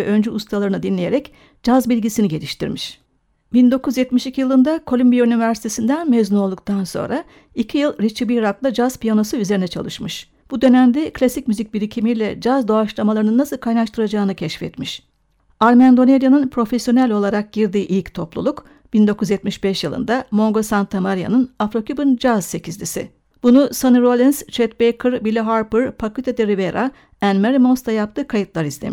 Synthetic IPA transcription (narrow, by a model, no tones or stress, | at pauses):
vɛʔø̞nd͡ʒyust̪ʰalˠaɾɯnɯd̪inlʲejeɾɛc | d͡ʒazbilʲɟisiniɟe̞lʲiʃt̪ʰḭɾmiʃ | bind̪o̞kʰuzjɛt̪miʃicʰijɯlˠɯnd̪akʰo̞lʲymbijaynivʲæɾsi̥t̪ʰe̞sind̪ænmeznuo̞lˠd̪uk̚t̪ʰanso̞̰nɾa | icʰijɯlˠɾit͡ʃʰibiɾaklˠad͡ʒaz̥pijanosɯyze̞ɾinɛt͡ʃʰalˠɯ̰ʃmɯʃ | b̥ud̪ø̞næmd̪ɛklʲasic̚myzic̚biɾicʰimijlʲɛd͡ʒazd̪o̞aʃlˠamalˠaɾɯnɯnːasɯlˠkʰajnaʃt̪ʰɯɾad͡ʒaːɯnɯcʰɛʃfɛ̰t̪miʃ | aɾmænd̪o̞neɾʲjanɯnpʰɾo̞fesjo̞nælʲo̞lˠaɾak̚ɟ̥iɾd̪iːʔilʲct̪ʰo̞plˠṵlˠuk | b̥ind̪o̞kʰuzjɛt̪̚miʃbɛʃjɯlˠɯ̰nd̪amo̞ŋɡo̞sant̪ʰːamaɾja̰nɯnafɾo̞kʰʲybɯnd͡ʒazse̞cʰizlʲisɪ̰ | b̥unusanɯɾolʲinst͡ʃʰɛt̪̚bejkʰɯɾbilʲɛɦaɾpɯɾpʰakɯt̪ʰed̪eɾiveɾʔa | ænmaɾimonst̪ʰajap̚t̪ʰɯːkʰajɯt̪lˠaɾizlʲemʃ